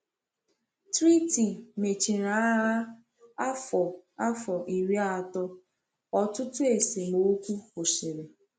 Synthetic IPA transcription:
tɾi˦ti˨me˨t͡ʃe˨ɾa˨a˦ɾa˦ | a˦fɔ˨a˦fɔ˨ʔi˨ɾi˦a˨tɔ˦ | ɔ˨tʊ˦tʊ˦e˨se˨mo˨˦kʷu˦kʊ˨si˨ɾe˨

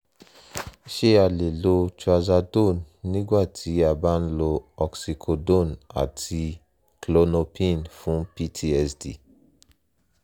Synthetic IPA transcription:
i˦ʃe˦a˨le˨lo˧ta˧za˧do˦˨nːĩ˦ɡwa˦˨tʰi˨˦a˨ba˦n̩˦lo˧ɔ˨ksi˨˧kʰo˧do˦˨na̰˨tʰi˧ | klo˧no˧pʰĩ˦˨nfũ˦pi˦tʰi˦ɛ˧sdḭ˨

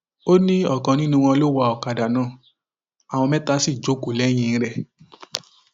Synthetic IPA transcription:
o˦nĩ˦ɔ˦˨kã˨˧nĩ˦nũ˧w̃ɔ̃˧lo˦wa˧˨ɔ˨ka˨da˨nã˨˦˨ | a˨w̃ɔ̃˧mɛ̃˦ta˧˦si˦˨d͡ʒo˨˦ku˨lɛ˨˦j̃ĩ˧ñ̩˦ɾɛ˦˨

